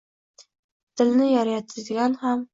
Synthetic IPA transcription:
t̪ʰɪlnɪjɑɾjɑt̪ʰɪzɡʲanham

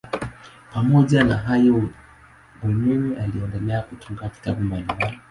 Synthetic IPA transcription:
pamɔʄanaɦajɔ | umɛmɛʔaliɛndɛlɛakutuŋɡaki̥taɓumbalimbalii

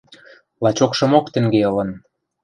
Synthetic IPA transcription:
lɑt͡ɕokʃɤ̆mokt̪ĕŋɡeɤlɤ̆n

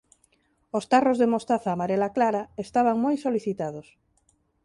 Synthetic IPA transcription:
ost̪arozðemost̪aθaːmaɾelaklaɾaest̪aβ̞aŋmojsoliθit̪aðos

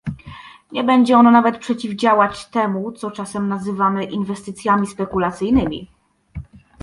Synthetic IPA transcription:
ɲɛbɛɲd͡ʑɛɔnɔnavɛt̪pʂɛt͡ɕivd͡ʑawat͡ɕt̪ɛmut̪sɔt͡ʂasɛmnazɘvamɘʔinvɛst̪ɘt̪sʲjamʲispɛkulat̪sɘjnɘmʲḭ

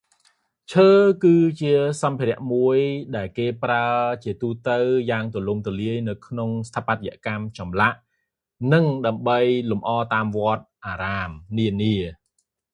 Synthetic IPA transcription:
t͡ɕʰəːkɨːt͡ɕiəsɑmpʰiɾɛ̆əʔmuəjɗaɛlkeːpraət͡ɕiət̪uːt̪əwjaːŋt̪olumt̪oliəjnɨwkʰnoŋst̪ʰapːat̪̚ja̰ʔkamt͡ɕɑmlaʔ | nɨŋɗaəmɓəjlumʔɑːt̪aːmʋŏət̪̚ʔaːɾaːmniəniə

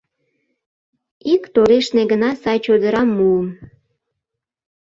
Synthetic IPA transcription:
ikt̪oɾeʃneɡənɑsɑjt͡ɕod̪əɾɑmːuəm

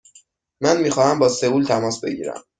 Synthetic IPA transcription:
mænmiːxɒːhæmbɒːsevuːlt̪ʰæmɒːsbe̞ɟḭːɾæ̰m

